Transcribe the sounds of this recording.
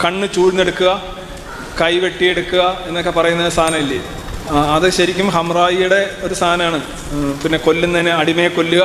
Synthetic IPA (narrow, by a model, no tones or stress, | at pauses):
kɐɳːɨt͡ɕuːɻinːeɽukːuɣɐ | kɐjʋe̞ʈːije̞ɽukːuɣɐe̞nːokːe̞pɐrɐjunːɐðst̪ʰaːnɐmilːi | ɐðɨɕɐɾikʲːumɦɐmraːjijuɽe̞o̞ɾust̪ʰaːnɐmaːɳɨ | pinːe̞ko̞lːunt̪ɐnːeɐɽimɐjɐkːo̞lːuɣɐ